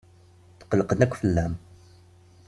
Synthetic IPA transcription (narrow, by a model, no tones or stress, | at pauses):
θə̥qələqənækʷːfəlːæm